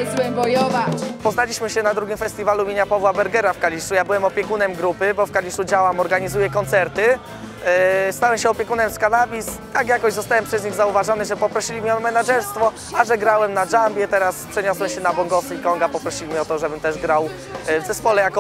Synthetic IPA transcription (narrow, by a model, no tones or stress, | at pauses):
zwɛmbɔjɔvapɔznalʲiɕmɘɕɛnad̪ɾuɡʲimfɛst̪ʲivaluumʲjeɲapavwabɛɾɡɛɾafkalʲiʂujabɘwɛmɔpʲjɛkunɛmɡɾupɘbɔfkalʲiʂud͡ʑawamɔɾɡaɲizujɛkɔnt̪sɛɾt̪ɘ | st̪awɛmɕɛɔpʲjɛkunɛmskanabʲist̪akjakɔʑzɔst̪awɛmpʂɛzɲiɣzauvaʐɔnɘʐɛpɔpɾɔɕilʲimʲiɔmɛnaʐɛɾst̪fɔ | aʐɛɡɾawɛmnaʐambʲjɛt̪ɛɾaspʂɛɲɔswɛɕɛnabɔŋɡɔsikɔŋɡapɔpɾɔɕilʲimʲiɔt̪ɔʐɛbɘmt̪ɛʐɡɾaw | vzɛspɔlɛjakɔ